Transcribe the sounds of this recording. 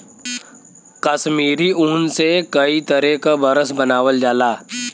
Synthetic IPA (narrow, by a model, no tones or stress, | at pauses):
kɐsmiːɾiuːnsekɐit̪əɾekabɐɾəsbɐnaːʋəld͡ʒaːlaː